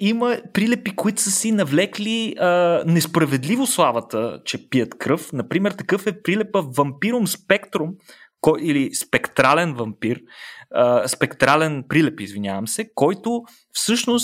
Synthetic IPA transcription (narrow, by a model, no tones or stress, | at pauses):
iməpɾilɛpikoit̪ʊ̥səsinɐvlɛkliənɛspɾɐvɛd̪livoslˠavət̪ət͡ʃɛpiət̪kɾɤfnɐpɾimɛɾt̪ɐkɤfɛpɾilɛpəvɐmpiɾomspɛkt̪ɾʊm | kɔilispɛkt̪ɾalɛnvɐmpiɾəspɛkt̪ɾalɛnpɾilɛpizvinʲja̰vəmsɛkɔjt̪o | fsɤʃnos